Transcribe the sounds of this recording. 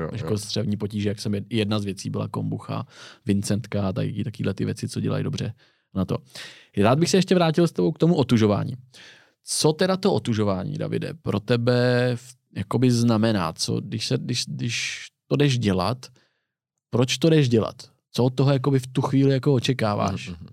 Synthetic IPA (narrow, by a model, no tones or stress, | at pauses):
jakost̪r̥ɛvɲiːpo̞ciːʒɛjaksɛmjɪjɛdnazvjɛt͡siːbɪla̰ko̞mbuxa̰vɪnt͡sɛnt̪kat̪a̰kiːt̪akiːdlɛt̪ɪvjɛt͡sɪt͡so̞ɟɛ̰la̰jdo̞br̝ɛ | nat̪o̞̰ | ɾaːd̪̚bɪxsɛjɛʃcɛvɾaːcɪlst̪ɛbo̞wk̚t̪omuʔot̪uʒo̞va̰ːɲḭː | t͡so̞t̪ɛdat̪oʔot̪uʒo̞vaːɲḭːda̰vɪ̰dɛ̰pɾo̞t̪ɛbɛf | jako̞bɪznamɛna̰ːt͡so̞̰dɪʃsɛdɪʃdɪʃt̪o̞dɛʒɟɛla̰t̪ | pɾo̞t͡ʃt̪odɛʒɟɛla̰t̪ː | t͡soot̪t̪ːoɦojakobɪft̪uxviːlɪjakoot͡ʃɛkaːva̰ːʃ